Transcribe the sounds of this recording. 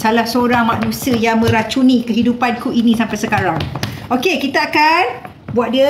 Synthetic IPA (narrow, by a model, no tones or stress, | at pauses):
salahsəoɾaŋmaʔnũsiəjaŋmə̃ɾat͡ʃunĩkəɦidupankuinĩsampajsəkaɾaŋʔokekit̪aakan | buat̪̚də